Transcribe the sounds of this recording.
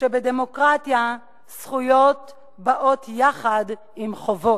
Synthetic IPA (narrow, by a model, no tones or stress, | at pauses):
ʃebedemokʁatja | sχujo̞t | baʔo̞tjaχad | imχovo̞